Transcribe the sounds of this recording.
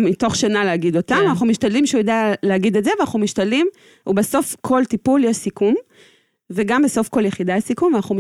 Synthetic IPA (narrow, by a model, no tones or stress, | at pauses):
mito̞χʃanaleaɡid̪o̞tamanaχnumiʃtadlimʃeujed̪aleaɡid̪etzevanaχnumiʃt̪adlim | ubeso̞fkʰo̞lt̪ipuljeʃsikum | veɡambeso̞fko̞ljeχid̪aasikumvanaχnum